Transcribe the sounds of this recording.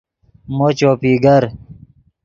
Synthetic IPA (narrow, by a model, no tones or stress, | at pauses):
mot͡ɕoːpiːɡɐɾ